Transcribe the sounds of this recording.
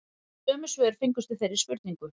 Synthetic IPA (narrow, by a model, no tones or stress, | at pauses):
sœːmʏsvɛːðʏɾ̥fɪŋkʏst̪ʏθejɾɪspʏɾt̪niŋkʏ